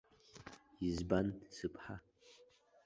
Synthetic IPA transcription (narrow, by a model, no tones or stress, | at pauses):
izbansɨpʰʼħa